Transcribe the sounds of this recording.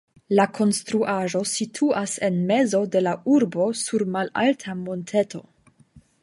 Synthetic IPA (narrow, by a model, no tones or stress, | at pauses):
lakʰo̞nstɾuʔaʒo̞sitʰuase̞nme̞zo̞de̞lauɾbo̞suɾmala̰ltʰamontʰe̞to̞̰